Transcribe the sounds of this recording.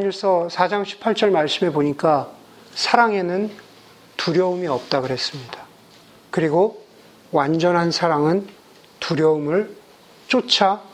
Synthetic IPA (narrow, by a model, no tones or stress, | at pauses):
aɲʌɭs͈ʌsʰad͡ʑaŋɕʰi̥pʰaɭt͡ɕ͈ʌɭmaɭs͈ɯme̞boɲik͈a | sʰaɾaŋe̞nɯn | tuɾjʌumiʌp̚t͈aɡɯɾɦe̞s͈ɯmɲid̥ḁ | kɯɾiɡo | wand͡ʑʌnɦansʰaɾaŋɯn | tuɾjʌumɯɭ | t͡ɕ͈ot͡ɕʰa